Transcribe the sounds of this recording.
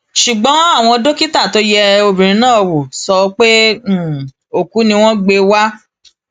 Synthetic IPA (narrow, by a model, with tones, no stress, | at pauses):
ʃu˨ɡ͡bɔ̃˨˦a˦˨w̃ɔ̃˧do˦ki˦ta˦˨to˦jɛ˧o˧bĩ˨ɾ̃ĩ˨˧nãː˦˨˧wo˨sɔ˧˦k͡pe˦˨ | o˨ku˨˦nĩ˧w̃ɔ̃˦ɡ͡be˧wa˦